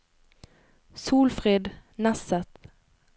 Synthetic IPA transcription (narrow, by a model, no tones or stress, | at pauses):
suːlfɾeːd̪nasət̪